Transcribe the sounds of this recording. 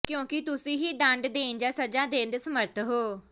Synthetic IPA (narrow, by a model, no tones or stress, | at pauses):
kjõːkɪt̪ʊsĩːɦiːɖãɳɖd̪eːnd͡ʒaːsəd͡ʒãːd̪ẽːnd̪esəməɾt̪ʰɦoː